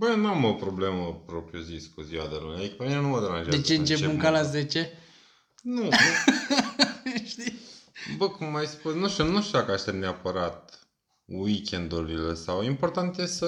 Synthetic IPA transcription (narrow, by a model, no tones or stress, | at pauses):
bəjenamo̞pɾo̞ble̞məpɾo̞pɾioziskuziwa̰d̪elunʲjaikpemine̞numəd̪eɾanʒad̪et͡ʃeɨnt͡ʃepemuŋkalasdet͡ʃe̞ | nu | ʃt̪ibəkumːajspusnuʃt̪junuʃt̪jud̪akəaʃt̪emneapəɾat̪̚ | wikʲend̪ulilesawimpo̞rt̪ant̪jesə